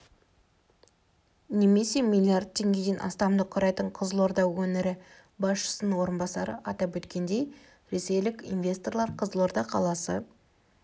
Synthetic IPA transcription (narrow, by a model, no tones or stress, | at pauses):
ne̞me̞se̞milʲˠiard̪̚t̪ʲʰːe̞ŋɡʲed̪enʔɑ̰st̪ɑmd̪əqʰːʊɾɑjt̪əɴqʰəzəlˠo̞ɾd̪ɑwwɵnɪɾɪ | bɑsʃə̥sənəwo̞ɾənbɑsɑɾə̰ʔɑt̪ɑpwɵt̪kʲʰe̞nd̪e̞j | ɾe̞se̞jlɪkʲḭnvʲe̞st̪o̞rlˠɑɾqʰəzəlˠo̞ɾd̪ɑqʰɑlˠɑsə